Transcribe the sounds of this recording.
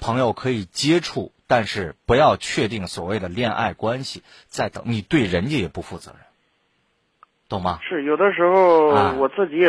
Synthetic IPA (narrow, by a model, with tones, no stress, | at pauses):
pʰɤ˧˥ŋjo˨˩ʊkʰɤ˧˥i˨˩t͡ɕjɛ˥ʈ͡ʂʰu˥˩t̪a˥˧nʂɻ̩˥˩pu˧˥jɑ˥˧ʊt͡ɕʰɥɛ˥˧t̪i˥˩ŋswɔ˨˩we˥˩ɪd̪ə˩ljɛ˥˧nʔa̰˥˩ɪkwa˥nɕi˨˩ | t͡sa˥˩ɪt̪ɤ̰˧˩ŋni˨˩t̪we˥˩ɪɻə˧˥njɛ˥˩jɛ˨˩pu˧˥fu˥˩t͡sɤ̰˧˥ɻə˧˥n | t̪o˥˩ŋmɐ˩ʂɻ̩˥˩jo˨˩ʊd̪ə˦ʂɻ̩˧˥xo˧ʊa˥˩wɔ˨˩t͡sɹ̩˥˩t͡ɕi˧˥˨